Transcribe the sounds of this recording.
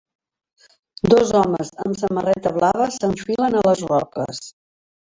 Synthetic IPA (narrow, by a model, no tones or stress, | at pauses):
d̪ɔzɔməzə̰msəmərɛt̪əβ̞laβəsəɱfilənələzrɔkə̰s